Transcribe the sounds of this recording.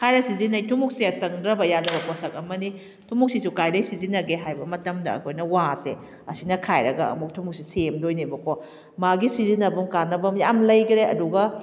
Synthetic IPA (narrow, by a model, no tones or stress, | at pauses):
kʰajɾɐsizinɐjtʰumuk̚seɐsɐŋdɾɐbɐjadɐbɐkosɐk̚ɐmɐni | tʰumuk̚sisukajlɐjsizinɐɡeɦajbɐmɐtɐmdɐ̰ːkʰojnɐwasḛ | ɐsinɐkʰajɾɐɡɐɐ̰muk̚tʰumuk̚sisemdojnibɐkʰɔ | maɡisizinɐbumkanːɐbɐmjamlɐjɡɾeɐ̰duɡɐ